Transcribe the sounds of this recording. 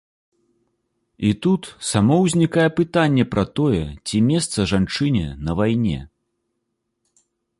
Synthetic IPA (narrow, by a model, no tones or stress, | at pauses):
it̪ut̪samɔwzʲnʲikajɛpɨt̪anʲːɛpɾɐt̪ɔjɛt͡sʲimʲɛst̪sɐʐant͡ʂɨnʲɛ̰nɐvajnʲɛ̰